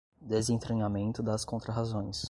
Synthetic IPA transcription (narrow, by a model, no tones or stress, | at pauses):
d̪ezẽt̪ɾeɲamẽnt̪ʊd̪ɐskõnt̪ɾɐɦazõj̃s